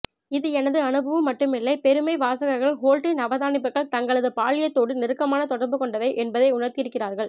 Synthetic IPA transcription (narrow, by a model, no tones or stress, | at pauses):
ɪðɯɛnɐðɯɐnɯbɐʋɯmːɐʈːɯmɪlːɐɪpɛɾɯmɐɪʋaːsɐɣɐɾɣɐɭɦoːlʈɪnɐʋɐðaːnɪpːɯɣɐɭt̪ɐŋɡɐɭɐðɯpaːlɪjɐt̪ːoːɽɯnɪɾɯkːɐmaːnɐt̪ɔɽɐɾbɯkɔɳɖɐʋɐɪʔɛnbɐðɐɪʊɳɐɾt̪ɪɪɾɯkːɪraːɾɣɐɭ